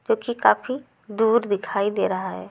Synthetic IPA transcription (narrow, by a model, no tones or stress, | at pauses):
d͡ʒoːkikaːfi | d̪uːɾd̪ɪkʰaːid̪eːɾɐɦaɦɛ̰ː